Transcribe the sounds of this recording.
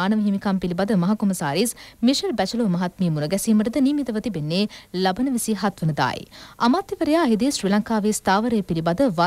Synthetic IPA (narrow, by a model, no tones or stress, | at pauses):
aːnɐʋɐɦimikampilibad̪əmɐɦɐkumɐsaːɾiːsmiʃɐlbæt͡ʃɐloːmɐɦat̪miːmunɐɡɛsiːməʈəd̪əniːmit̪ɐʋət̪ibenːeːlɐbɐnəʋisiːɦat̪ʋənəd̪a̰ːj̰ɐmaːt̪jiʋɐɾejaːɦid̪iːsɾiːlaŋkaːʋiːst̪aːʋɐɾejəpilibad̪əʋa